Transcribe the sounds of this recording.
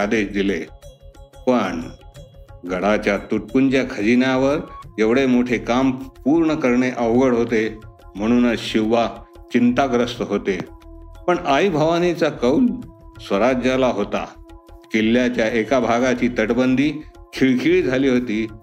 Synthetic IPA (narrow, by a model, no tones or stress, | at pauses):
ad̪eɕd̪ile | pəɳ | ɡʱəɽat͡ɕjat̪uʈ̚kunt͡ɕjakʰəd͡ʑinjaʋəɾeʋɽemoʈʰekampuɾɳəkəɾɳeʔəʋɡəɽɦot̪em̤əɽ̃uːnəɕiʋːat͡ɕint̪aɡɾəst̪əɦot̪epəɳaibʱəʋanit͡sakəwlsʋəɾad͡ʑalaɦot̪a̰kilːjat͡ɕjaekabʱaɡat͡ɕiːt̪əʈbənd̪ʱiːkʰiɭkʰiɭiːd͡zʱaliːɦot̪iː